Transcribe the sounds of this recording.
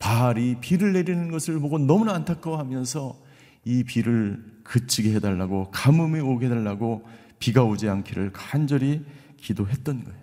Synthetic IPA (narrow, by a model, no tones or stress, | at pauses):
paɾipiɾɯɭːe̞ɾinɯnɡʌsʰɯɭboɡonʌmunaːntʰak͈ʌɦamjʌnsʰʌ | ipiɾɯɭkɯt͡ɕʰiɡeɦe̞daɭːaɡokamɯmeoɡeɦe̞daɭːaɡo | piɡaod͡ʑeaŋkʰiɾɯɭkand͡ʑʌɾi | kidoɦe̞t̚t͈ʌnɡʌejo